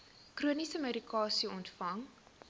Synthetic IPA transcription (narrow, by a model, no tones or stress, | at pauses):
kruənisəməɾikɑːsiɔntfɐŋ